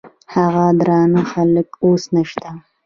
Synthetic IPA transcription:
haɣad̪ɾɑnəxaləkosnəʃt̪a

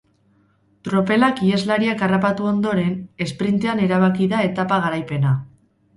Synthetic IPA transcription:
t̪ɾo̞pe̞lakiezlaɾiakarapat̪uo̞nd̪o̞ɾe̞ne̞spɾint̪e̞ane̞ɾaβakiðae̞t̪apaɣ̞aɾajpe̞na

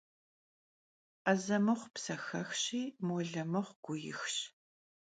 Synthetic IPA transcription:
ʔɐzɐmɨχʷpsɐxɐxɕiːmɔɮɐmɨʁʷɡ̥ʷʊjɪ̰xɕ

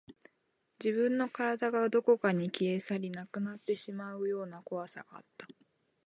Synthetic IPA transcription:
d͡ʑibɯ̟̃nːo̞kaɾad̪aɡad̪o̞ko̞kaɲ̟ikʲie̞saɾʲinakɯ̟nat̪ːe̞ɕimaɯ̟jo̞ːnako̞βasa̰ɡ̥a̰ːt̪ːḁ

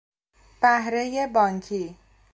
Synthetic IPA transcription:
b̥aɦɾejebʌŋkʰi

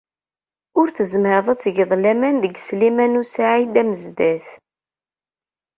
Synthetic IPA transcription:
ʊɾθəzməɾðˤɑt͡sːʝəðˤlæmænðəɡslimænusaʕid̪æməzd̪æθ

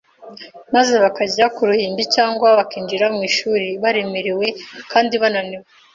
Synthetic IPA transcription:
maze̞βakaɟakuɾuhiːmbicaːŋɡwaβakiːɲd͡ʒiɾamŋiːʃuːɾiβaɾe̞me̞ɾewe̞kaːndiβananiwe

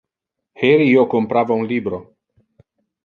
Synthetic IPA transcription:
heɾiiokompɾavaunlibɾo

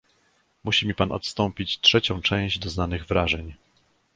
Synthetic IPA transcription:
muɕimʲipanʔɔ̰t̪st̪ɔmpʲit͡ɕtʂɛt͡ɕɔ̃w̃t͡ʂɛ̃j̃ʑd͡ʑd̪ɔznanɘɣvɾaʐɛɲ

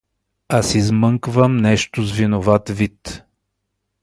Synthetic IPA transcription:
asizmɤŋkvəmnɛʃt̪ʊzvinovat̪vit̪

